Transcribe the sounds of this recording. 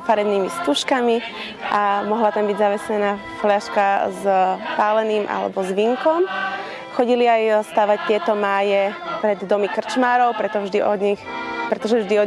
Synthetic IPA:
faɾɛdniːmist̪uʃkami | ʔamɔɦlat̪ambiɟzaʋɛsʎɛnaː | flaʃkazpaːlɛniːmʔa̰lɛ̰bɔzʋiŋkɔm | xɔɟiliajst̪aːʋac̚t̪ɪɛt̪ɔmaːjɛpɾɛd̪ːɔmikr̩t͡ʃmaːɾɔʊpɾɛt̪ɔvʒd̪iʔɔd̪ɲixpɾɛt̪ɔʒɛvʒd̪iɔ

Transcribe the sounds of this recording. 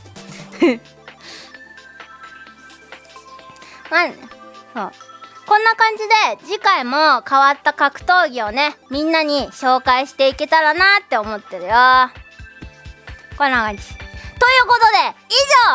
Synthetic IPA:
maso̰ːkõ̞nːakãɲ̟d͡ʑid̪e̞d͡ʑikaimo̞kaβat̪ːakakɯ̟̥t̪o̞ːɡʲio̞ne̞mʲĩnːaɲ̟iɕo̞ːkaiɕi̥t̪e̞ike̞t̪aɾanat̪ːe̞o̞mo̞t̪ːe̞ɾɯ̟jo | kõ̞nːakãɲd͡ʑi̥t̪o̞jɯ̟ːko̞t̪o̞d̪e̞iʑoː

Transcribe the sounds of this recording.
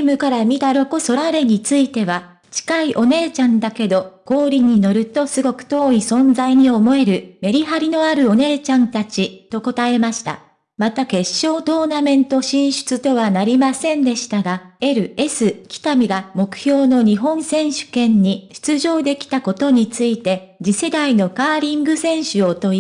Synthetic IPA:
mɯ̟kaɾamʲid̪aɾo̞ko̞so̞ɾaɾe̞ɲ̟it͡sɨit̪e̞βa | t͡ɕi̥kaiʔo̞ne̞ːt͡ɕãnd̪ake̞d̪o̞ko̞ːɾʲiɲ̟ino̞ɾɯ̟t̪o̞sɨɡo̞kɯ̟̥t̪o̞ːisõ̞nd͡zaiɲ̟io̞mo̞e̞ɾɯ̟me̞ɾʲiɦaɾʲino̞aɾɯ̟o̞ne̞ːt͡ɕãnt̪at͡ɕit̪o̞ko̞t̪ae̞maɕi̥t̪a̰ | mat̪ake̞ɕːo̞ːt̪o̞ːnamẽ̞nt̪o̞ɕĩɰ̃ɕɨ̥t͡sɨt̪o̞β̞anaɾʲimasẽ̞nd̪e̞ɕi̥t̪aɡae̞ɾɯ̟e̞sɨkʲi̥t̪amʲiɡamo̞kɯ̟̥çʲo̞ːno̞ɲ̟iɦõ̞ñsẽ̞ɰ̃ɕɨ̥kẽ̞ɲ̟ɲːiɕɨ̥t͡sɨʑo̞ːd̪e̞kʲi̥t̪ako̞t̪o̞ɲ̟it͡sɨit̪e̞ | d͡ʑise̞d̪aino̞kaːɾʲĩŋɡɯ̟sẽ̞ɰ̃ɕɨot̪o̞

